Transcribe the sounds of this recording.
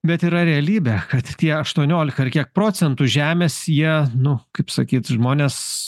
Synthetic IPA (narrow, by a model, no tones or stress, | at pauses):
bʲɛt̪iːɾɐɾʲɛɐlʲiːbʲɛkɐt̪tʲiɛɐʃt̪uɔnʲoːlʲɪkɐɪrkʲiɛk̚pɾoːsʲɛnt̪uʒʲæːmʲeːsjiɛnʊkɐɪpsɐkʲiːt̪ʒmoːnʲeːs